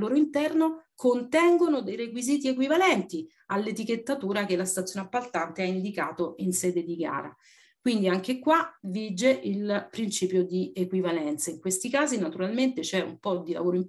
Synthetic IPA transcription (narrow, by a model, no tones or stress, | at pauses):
oːɾoint̪ɛrnokont̪ɛŋɡonod̪ejɾekwiziːt̪iekwivalɛnt̪i | alːet̪iket̪ːat̪uːɾak̟elast̪at̪sjoːneapːalt̪ant̪eaind̪ikaːt̪oʔinsɛːd̪ed̪iɡa̰ːɾa̰ | kwind̪iaŋk̟ekwavid͡ʒeʔilpɾint͡ʃiːpjod̪iekwivalɛnt̪saiŋkwest̪ikaːzinat̪uɾalment̪et͡ʃɛṵmpɔd̪ila̰voːɾoim